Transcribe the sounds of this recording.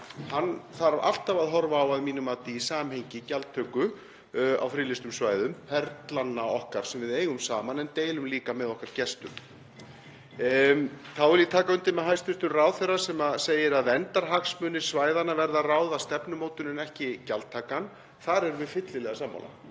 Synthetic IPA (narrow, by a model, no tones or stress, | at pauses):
hanːθaɾva̰l̥t̪avaðɦɔɾvaːwaðmiːnʏmaːt̪ɪisaːmheɲcɪcalt̪ʰœːkʏ | a̰wfɾɪːlɪst̪ʏmsvaːjðʏmpʰɛɾt̪lanːaɔhkaɾ̥sɛmvɪðeːjɣʏmsaːmanɛnt̪eːjlʏmliːkamɛðɔhkaɾcɛst̪ʏm | θawɛlit̪ʰaːkaʏnt̪ɪnmɛðɦajst̪ɪst̪ʏmraːwðθɛrːasɛmaseːjɪɾaðɛnt̪aɾ̥ɦaksmʏːnːɪ̥svaːjðanːavɛɾðaraːwðast̪ɛpnʏmoːwt̪ʏnɪnɛhcɪcalt̪t̪ʰːaːkan | θaɾɛɾvɪðfɪt̪lɪlɛɣasaːmːa̰wlna̰